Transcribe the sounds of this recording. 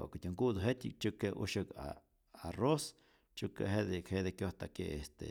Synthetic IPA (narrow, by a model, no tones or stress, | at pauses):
a̰ket̪ʲuŋkud̪oɦet̪ʲḭk̚t͡ʃukeʔṵʃəka̰ː | ros | t͡ʃukḛɦed̪ekʰhed̪ekjot̪akeest̪ḛ